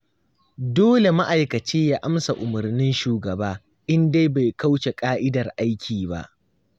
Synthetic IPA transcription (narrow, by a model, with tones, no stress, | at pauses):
doː˦le˨ma˦ʔa˨jkɐ˨t͡ʃeː˦jaː˦ʔa˦msa˨ʔʊ˨mʊ˨rnɪ˦nʃuː˨ɡɐ˨baː˦ | ʔɪ˦nde˦jba˨jka˦wʃe˨kʼaː˦ʔɪ˦dɐ˨rʔa˦jkʲʰiː˨ba̰˦ʔ